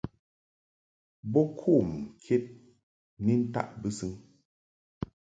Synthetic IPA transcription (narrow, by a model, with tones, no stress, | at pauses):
bɔ˦kʰu˦˨mkʰe˦t̚ | ni˦n̩˦ta̰˦ʔbɨ˦sɨ˦ŋ